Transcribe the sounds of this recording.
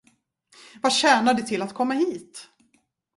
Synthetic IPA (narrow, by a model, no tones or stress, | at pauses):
vaɕɛːnaɖɛt̪ʰɪlːat̪kʰɔmːaɦiːt̪